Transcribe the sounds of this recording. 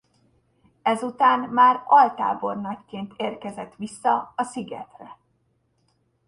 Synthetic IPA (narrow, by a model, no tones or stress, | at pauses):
ɛzut̪aːnmaːrɒlt̪a̰ːbo̞rnɒckeːnt̪ʰeːrkɛzɛt̪ʋisːɒɒsiɡɛ̰t̪rɛ